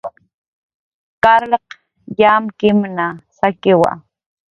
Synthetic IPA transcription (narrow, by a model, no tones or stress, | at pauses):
kaɾleq | jamkɪmnasakɪwa̰